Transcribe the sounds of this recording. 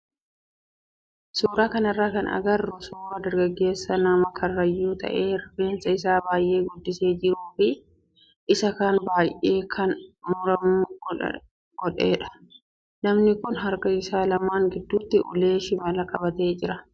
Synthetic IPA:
suːɾaːkɐnɐrːaːkɐnɐ̰ɡɐrːʊsuːɾɐd̪ɐɾɡɐɡːe̞ːsːɐnɐmɐkʰɐrːɐjːuːt̪ɐ̰ʔe̞ːɾɐbe̞ːnsɐɪsaːbaːjʔe̞ːɡɔd̪ːɪse̞ːd͡ʒɪɾuːfɪ | ʔɪsɐkaːnbaːjʔe̞ːkʰɐnmʊɾɐmṵː | ɡ̥ɔᶑeːᶑɐ̥ | nɐmnɪkʊnɦɐɾkɐɪsaːlɐmaːŋɡɪd̪ːuːt̪ːɪʔʊ̰le̞ːʃɪmɐlɐkʼɐbɐt̪eːd͡ʒɪɾɐ

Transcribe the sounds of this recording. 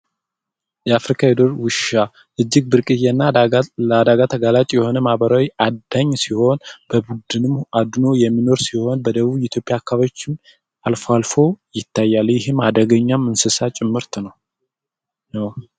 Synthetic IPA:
jɛafɾikʰaed̪o̞ɾwɨʃa | ʔɨd͡ʒːɪɡ̚bɨɾkʼɨjɛnːaad̪aɡat̪ʰəɡalat͡ʃʼjɛho̞nəmahβəɾawiʔad̪aɲːsiho̞nb̥əbud̪ɨnɨmad̪no̞jɛmːino̞ɾsiho̞nbəd̪əβuβɛt̪ʰjo̞pʼjaːkʰːaβat͡ʃːɪm | alfoalfo̞jɪt̪ʰːajːaljɪɦɨmad̪əɡəɲːamːɨnsɨsat͡ʃʼɪmːɨɾt̪ʰnəw | naw

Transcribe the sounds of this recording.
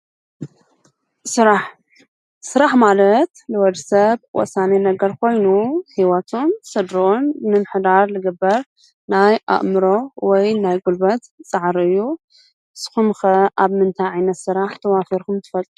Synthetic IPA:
sɨɾaħ | sɨɾaħmalɐt̪lɨwɔd̪sɐβwɔ̰sanenɐɡɐɾkʰo̞jnuhiwɐt̪ʰonsɨd̪ɾonːɨnħɨd̪aɾlɨɡɨbːɐɾ | najʔa̰ʔʼmɨɾo̞wɔjnajɡulbɐt̪t͡sʼɨʕɾɨjːu | sɨ̥xumxɐʔaβmɨnt̪ʰajʕajnɐt̪sɨɾaħt̪ʰɐwafiɾkʰumt̪ʰɨ̥fɐlʼ

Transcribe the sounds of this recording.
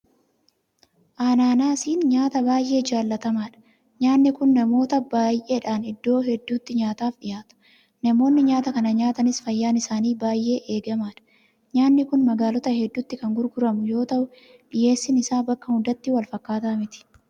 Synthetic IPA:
ʔaːnaːnaːsiːnɲaːt̪ɐbaːjʔe̞ːd͡ʒaːlːɐt̪ɐmaːᶑɐ̥ | ɲaːnːɪkʊnːɐmo̞ːt̪ɐbaːjʔe̞ːᶑaːnɪd̪ːo̞ːɦɛd̪ːuːt̪ːɪɲaːt̪aːfɗɪjaːt̪ɐ̥ | nɐmo̞ːnːɪɲaːt̪ɐkɐnɐɲaːt̪ɐnɪsfɐjːaːnɪsaːniːbaːjʔe̞ːʔe̞ːɡɐmaːᶑɐ̥ | ɲaːnːɪkʊnmɐɡaːlɔt̪ɐhɛd̪ːʊt̪ːɪkɐŋɡʊɾɡʊɾɐmʊjo̞ːt̪ɐʔʊ | ᶑɪje̞ːsːɪnɪsaːbɐkːɐhʊd̪ɐt̪ːɪwɐlfɐkːaːt̪aːmɪt̪ɪ̥

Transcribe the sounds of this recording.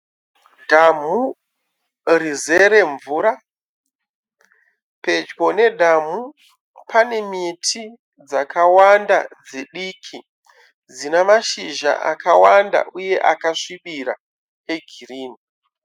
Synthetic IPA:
dʱamu | rize̞ɾe̞ɱvuːɾa | pe̞d͡ʒɡo̞ne̞dʱamu | pʰane̞mitʰi | d͡zakʰawanda̰d͡zeɗikʰi | d͡zinemaʃiʒa̰ʔa̰kawanda̰ʔuje̞ʔakaʂiɓiɾa̰ | eɡʱiriːni

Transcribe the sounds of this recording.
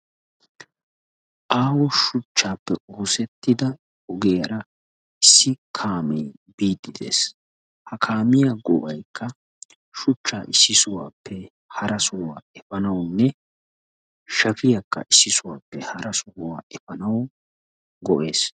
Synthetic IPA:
ʔaːwɔʃʊt͡ʃːaːpːɛuːsɛt̪ːɪd̪ɐ | ɔɡeːjɐɾɐ | ɪsːɪkʰaːmeː | biːd̪ːɪd̪e̞̰ːs | hɐkʰaːmɪjaɡɔʔɐjkːɐ | ʃʊt͡ʃːaːʔɪsːɪsʊwa̰ːpːɛ | hɐɾɐsʊwa̰ːɛfɐnɐwnːɛ | ʃɐfɪjɐkːɐ̰ʔɪsːɪsʊwaːpːɛhɐɾɐsʊhʊwa̰ːʔɛfɐnɐw | ɡɔʔe̞ːs

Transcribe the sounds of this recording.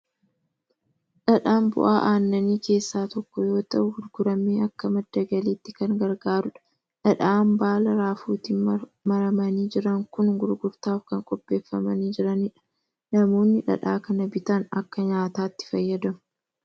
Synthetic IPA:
ᶑɐᶑaːmbʊ̰ʔaːʔaːnːɐniːke̞ːsːaːt̪ɔkːɔjo̞ːt̪ɐʔʊɡʊɾɡʊɾɐmeːɐkːɐmɐd̪ːɐɡɐliːt̪ːɪkɐŋɡɐɾɡaːɾʊᶑɐ̥ | ᶑɐᶑaːmbaːlɐɾaːfuːt̪iːnmɐɾɐmɐniːd͡ʒɪɾɐŋkʊnɡʊɾɡʊɾt̪aːfkɐŋkʼɔpʼːe̞ːfːɐmɐniːd͡ʒɪɾɐniːᶑɐ̥ | nɐmo̞ːnːɪᶑɐ̰ᶑaːkɐnɐbɪt̪ɐnɐ̰kːɐɲaːt̪aːt̪ːɪ̥fɐjːɐd̪ɐmʊ̥

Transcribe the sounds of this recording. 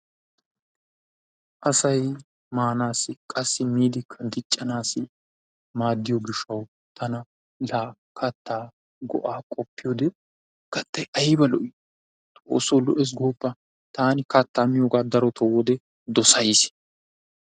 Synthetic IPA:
ʔɐsɐj | maːnaːsɪkʼɐsːɪmiːd̪ɪkʰːɐd̪ɪt͡ʃʼːɐnaːsɪ | maːd̪ːɪjɔɡɪʃɐw | t̪ʰɐnɐ | laː | kʰɐt̪ʰːaː | ɡɔ̰ʔaːkʼɔpːɪjod̪ɛ | kɐt̪ːɐjʔɐjbɐlɔʔɪ | t̪ʼo̰ːsolɔʔɛs̬ɡoːpːɐ | t̪aːnɪkɐt̪ːaːmɪjoːɡaːd̪ɐɾɔt̪ʰɔwɔd̪ɛ | d̪ɔsɐjɪs

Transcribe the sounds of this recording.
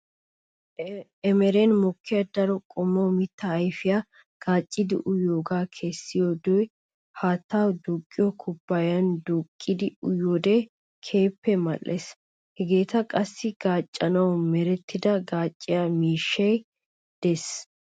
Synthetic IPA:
ɛmɛɾɛnmɔkʰːɪjɐd̪ɐɾɔkʼɔmːɐwmɪt̪ːɐːjfɪja | ɡ̥aːt͡ʃʼːɪd̪ɪ̰ʔʊjoːɡaːkʰesːɪjod̪ɔj | haːt̪ːaːwd̪ukʼːɪjɔkʰʊbːɐjɐnd̪ʊkʼːɪd̪ɪʊjod̪ɛ | kʰe̞ːpːɛmɐ̰lːɛs | hɛɡe̞ːt̪ɐkʼɐsːɪɡ̥aːt͡ʃʼːɐnɐwmɛɾɛt̪ʰːɪd̪ɐɡaːt͡ʃʼːɪjamiːʃːɐj | d̪̥ɛs

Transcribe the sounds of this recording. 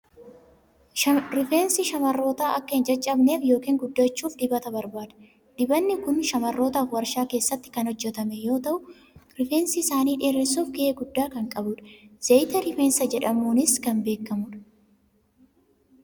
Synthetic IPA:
ɾɪfe̞ːnsɪʃɐmɐrːo̞ːt̪aːʔɐkːɐɪnd͡ʒɐt͡ʃʼːɐbne̞ːfjo̞ːkiːŋɡʊd̪ːɐt͡ʃːuːfd̪ɪbɐt̪ɐbɐɾbaːd̪ɐ̥ | d̪̥ɪbɐnːɪkʊnʃɐmɐrːo̞ːt̪aːfwɐɾʃaːke̞ːsːɐt̪ːɪ̥kɐnhɔd͡ʒːɛt̪ɐmɛjo̞ːt̪ɐʔʊ | ɾɪfe̞ːnsiɪsaːniːᶑeːɾesuːfɡɪʔeːɡʊd̪ːaːkɐŋkʼɐbʊᶑɐ̥z̥ɐjt̪ɐɾɪfeːnsɐd͡ʒɛᶑɐmuːnɪskɐnbe̞ːkːɐmʊᶑɐ̥

